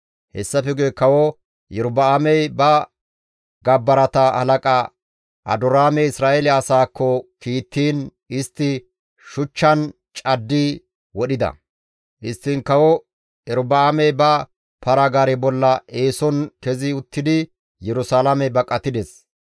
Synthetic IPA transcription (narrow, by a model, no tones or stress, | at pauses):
hɛsːɐfɛɡɛkɐwɔ | jɛɾʊbɐamɛjbɐ | ɡɐbːɐɾɐt̪ɐɐ̰lɐkʼɐ | ʔɐ̰d̪ʊɾaːmɛɪsɾaːʔɛlɪɐsaːkːɔkiːt̪ːiːn | ɪst̪ːɪ | ʃʊt͡ʃːɐn | t͡ʃʼɐd̪ːi | wɔɗɪd̪ɐ̰ | ʔɪst̪ːɪnkɐwɔ | ɛɾʊbɐamɛjbɐ | pɐɾɐɡaːɾɛbɔlːɐeːsɔnkɛzɪʊt̪ːɪd̪ɪ | jɛɾʊsaːlɐmɛbɐkʼːɐt̪ːɪd̪ɛs